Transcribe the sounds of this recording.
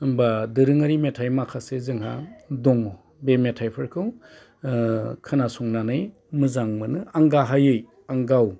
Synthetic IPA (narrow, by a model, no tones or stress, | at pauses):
ɯmbadɯɾɯŋaɾimetʰajmakʰasezɯŋɦa̰dɔŋ | bemetʰajpʰɯɾkʰɯw | kʰanasuŋnanɯj | mɯzaŋmɯnɯaŋɡaɦajɯj | aŋɡaw